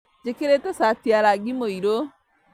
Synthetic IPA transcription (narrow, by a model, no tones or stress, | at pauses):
d͡ʒekeɾetɛsatjaɾaɡimoiɾo